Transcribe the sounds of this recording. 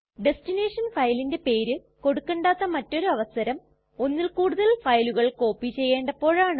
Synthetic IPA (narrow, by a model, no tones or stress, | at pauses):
ɖe̞stine̞ːʂɐnfɐjlinde̞pe̞ːɾɨ | ko̞ɽukːeɳɖaːt̪ːɐmɐtːo̞ɾuɐʋɐsɐɾɐm | onːilkuːɽuðɐɭfɐjluɣɐɭko̞ːpːit͡ɕe̞jːe̞ːɳɖɐpo̞ːɻaːɳ